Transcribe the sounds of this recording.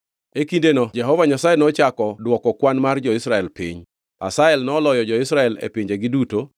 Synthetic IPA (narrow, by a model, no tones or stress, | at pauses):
ekindenɔd͡ʒɛɦɔvaɲasajenɔt͡ʃakɔdwɔkɔkwanmard͡ʒɔɪsɾaɛlpḭɲ | a̰saɛlnɔːlɔjɔd͡ʒɔɪsɾaɛlḛpiɲd͡ʒeɡɪduto